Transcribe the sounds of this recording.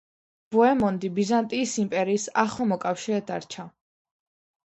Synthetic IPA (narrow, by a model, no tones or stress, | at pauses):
b̥uɛmɔnd̪ibizant̪ʼiːsimpʼɛɾiːsaχlˠamɔkʼafʃiɾɛd̪a̰ɾt͡ʃʰa